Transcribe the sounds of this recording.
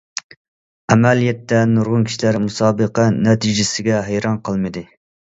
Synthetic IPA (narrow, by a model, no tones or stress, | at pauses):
ɛmɛlijɛt̪ːɛnuɾʁʊnkʲi̥ʃilæɾmusɑːbəqənɛt̪ʰid͡ʒɪsɪɡʲɛɦæjɾɑnqʰəlˠmɨd̪ɨ